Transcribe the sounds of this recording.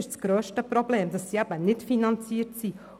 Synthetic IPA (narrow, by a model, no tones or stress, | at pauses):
ʃt͡sɡ̥ɾøːʃtəpɾɔbleːmdɑsːiæb̥ənɪtfinɑnt͡siːətsi